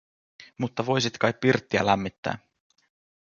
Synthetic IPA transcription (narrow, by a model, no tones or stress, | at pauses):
mut̪ːɑʋo̞jsit̪kɑjppirt̪ːiæ̰læmːit̪ːæ̰ː